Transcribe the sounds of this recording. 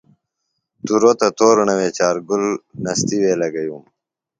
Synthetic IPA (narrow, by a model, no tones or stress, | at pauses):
t̪uɾoːt̪ɐt̪oːɾunɐweːt͡ɕaːɾɡulnɐst̪iweːlɐɡɐjuːm